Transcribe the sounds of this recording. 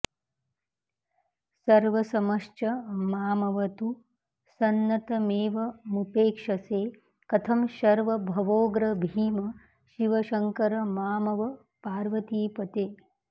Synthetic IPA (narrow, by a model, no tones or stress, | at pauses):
sɐɾʋɐsɐmɐʂt͡ʃɐmaːmɐʋɐt̪u | sɐnːɐt̪ɐmeːʋɐmupeːkʂɐseː | kɐt̪ʰɐmʃɐɾʋɐbʱɐʋoːɡɾɐbʱiːmɐ | ʃiʋɐʃɐŋkɐɾɐmaːmɐʋɐ | paːɾʋɐt̪iːpɐt̪eː